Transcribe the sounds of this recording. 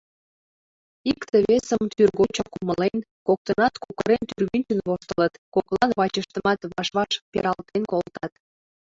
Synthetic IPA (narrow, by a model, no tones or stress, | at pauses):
ikt̪əβesəmt̪yrɣot͡ɕɑkuməlen | kok̚t̪ənɑt̪kukəɾent̪yrβynʲt͡ɕənβoʃt̪ələt̪koklˠɑnβɑt͡ɕəʃt̪əmɑt̪βɑʃβɑʃpḛɾɑlt̪enkolt̪ɑt̪